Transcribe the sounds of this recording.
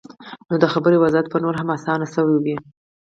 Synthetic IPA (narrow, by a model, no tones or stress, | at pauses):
nod̪əxabəɾewazat̪̚pənoɾɦamasɑnasəwewi